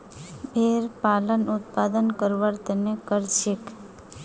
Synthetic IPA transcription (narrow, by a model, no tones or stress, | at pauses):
bʱeɾpalənʊt̪̚pad̪ənkəɾʋaɾt̪ənekəɾt͡ʃʰik